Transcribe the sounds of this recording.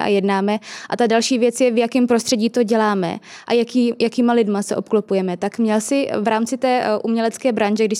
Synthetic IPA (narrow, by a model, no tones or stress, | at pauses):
ʔa̰jɛdnaːmɛʔat̪adalʃiːvjɛt͡sjɛvjakɛmpɾost̪r̥ɛɟiːt̪o̞ɟɛlaːmɛ̰ʔajakiːjʔakiːmalɪdmasɛʔo̞p̚klopujɛmɛt̪akmɲɛlsɪvɾaːmt͡sɪt̪ɛːʔumɲɛlɛt͡skɛːbɾanʒɛɡdɪʃ